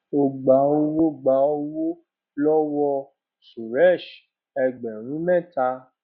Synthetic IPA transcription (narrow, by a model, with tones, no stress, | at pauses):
o˧ɡ͡ba˨˦o˦˧wo˦ɡ͡ba˨˦o˦wo˦ | lɔ˦wɔ˧ | su˨ɾɛ˦˨ʃ | ɛ˧ɡ͡bɛ˨ɾ̃ũ˨˦mɛ̃˦˨ta˧